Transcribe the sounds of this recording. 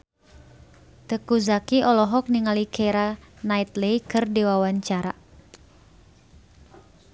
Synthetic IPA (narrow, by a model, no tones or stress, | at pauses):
t̪əkuzakiʔɔlɔɦɔk̚niŋalikʰeɾanait̪leikɨrdiwawaɲt͡ʃaɾa̰